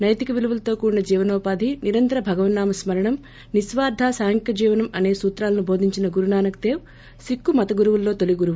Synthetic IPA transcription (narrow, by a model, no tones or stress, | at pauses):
nɐjt̪ikɐʋiluʋulɐt̪o̞ːkuːɾinɐd͡ʒiːʋɐnɔːpaːd̪ʱiniɾɐnt̪ɐɾɐbʱɐɡɐʋɐnnaːmɐsmɐɾɐɳɐm | nisʋaːɾd̪ʱaːsaːŋkjɐd͡ʒiːʋɐnɐmɐneːsuːt̪ɾaːlɐnubʱo̞ːd̪ʱiɲt͡ʃinɐɡuɾunaːnɐkt̪eːw | sikːumɐt̪ɐɡuɾuʋulːo̞ːt̪oliɡuɾuʋu